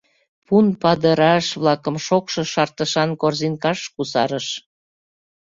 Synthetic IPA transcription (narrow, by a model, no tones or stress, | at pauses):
punpɑd̪əɾɑʃβlɑkəmʃokʃɤʃɑrt̪əʃɑnkorzinkɑʃkusɑɾəʃ